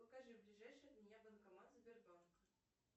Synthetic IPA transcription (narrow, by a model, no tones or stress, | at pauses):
əkaʐɨblʲɪʐajʂɨjəd̪ʲnʲjabənkamat̪zʲbʲɪrbank